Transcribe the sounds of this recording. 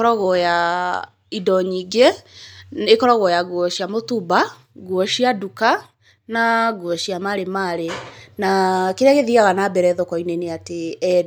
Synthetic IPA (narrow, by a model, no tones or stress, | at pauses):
ɔɾɔɣɔja | idɔɲiɡe | ekɔɾɔɣwɔjaɣwɔʃiamotuba | ɡwɔʃiaduka | naɡwɔʃiamaɾemaɾenakeɾeaɣeðiaɣanabɛɾɛðokɔineneateɛ